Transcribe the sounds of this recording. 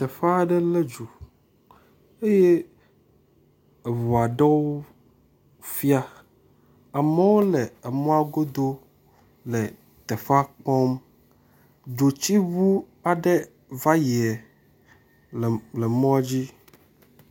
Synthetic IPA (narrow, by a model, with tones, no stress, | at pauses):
t̪ɛ˨fa˦ɖɛ˦lɛ˦d͡ʒu˨ | e˦je˦˨ | vɔ˨a˨ɖɛ˦wo˦ | fi˦a˦ | a˨mɛ˦wo˦le˨e˨mɔ̃˦a˦ɡo˦d̪o˦ | lɛ˨ | t̪ɛ˨fa˦k͡pɔ˦m | d͡ʒo˨t͡ɕi˦βu˦ | a˨ɖɛ˦ | va˦ji˨ɛ˨ | lɛ˨mɔ̃˦a˦d͡ʑi˦